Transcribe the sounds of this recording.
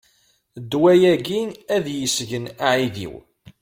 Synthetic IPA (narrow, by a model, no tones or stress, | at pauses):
d̪ːwæjæɡinæðjəsʝənaʕiðḭw